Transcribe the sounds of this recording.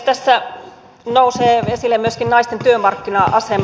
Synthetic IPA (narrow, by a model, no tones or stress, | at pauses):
t̪æsːæ | nouseːesilːemmyøskinnɑist̪ent̪yømɑrkːinɑʔɑsem